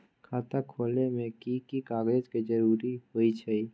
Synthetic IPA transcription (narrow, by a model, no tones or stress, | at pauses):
kʰaːt̪akʰoːlnemẽkikikaːɡeːd͡ʒkid͡ʒəɾuːɾiɦoːit͡ʃʰɛi